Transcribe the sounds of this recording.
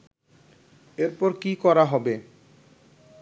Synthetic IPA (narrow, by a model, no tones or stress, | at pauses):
eɾpɔɾkikɔɾaɦɔbe